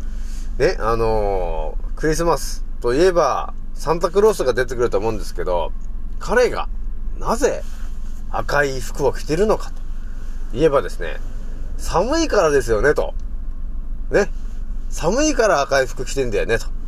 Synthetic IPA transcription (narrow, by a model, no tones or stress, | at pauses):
ne̞ʔano̞ | kɯ̟ɾʲis̬ɨmasɨ̥t̪o̞ie̞ba | sãnt̪akɯ̟ɾo̞ːsɨɡad̪e̞t̪̬e̞kɯ̟ɾɯt̪oːmo̞ɯ̃nd̪e̞sɨ̥ke̞d̪o̞̰kʰaɾe̞ɡa̰naze̞ | a̰kaiɸɯ̥kɯ̟okʲi̥t̪e̞ɾɯ̟no̞kḁt̪o̥ | ie̞bad̪e̞sɨnḛ | samɯ̟ikaɾad̪e̞sɨjo̞ne̞t̪o̞̰ | ne̞ | samɯ̟ikaɾaːkaiɸɯ̟̥kɯ̟̥kʲi̥t̪ẽ̞nd̪ajone̞t̪o̥